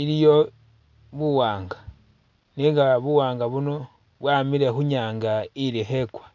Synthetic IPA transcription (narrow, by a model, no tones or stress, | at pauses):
ilijo̞ | βuwaːŋɡa | niŋɡaβuwaːŋɡaβuno̞ | βwamilexuɲaːŋɡailixekwa